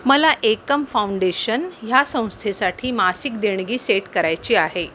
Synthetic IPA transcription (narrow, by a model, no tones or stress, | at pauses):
məlaʔekəmfauɳɖeɕənjasə̃w̃st̪ʰesaʈʰiːmasikd̪eɳ̃ɡiːseʈkəɾajt͡ɕiːaɦe